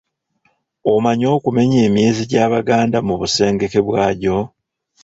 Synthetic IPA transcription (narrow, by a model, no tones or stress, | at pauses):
o̞maɲo̞ːkume̞ɲe̞ːmje̞ːziɟaːβaɡaːndamuβuse̞ːŋɡe̞ke̞βwaːɟo̞